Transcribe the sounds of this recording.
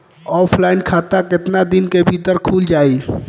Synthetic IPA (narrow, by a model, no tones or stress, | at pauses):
ɔːpʰlaːɪnkʰaːt̪akɪt̪nad̪ɪnkebʱiːt̪əɾkʰuːld͡ʒaːiː